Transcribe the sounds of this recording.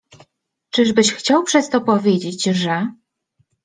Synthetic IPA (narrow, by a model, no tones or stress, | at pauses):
t͡ʂɘʐbɘɕxt͡ɕawpʂɛst̪ɔpɔvʲjed͡ʑed͡ʑʐɛ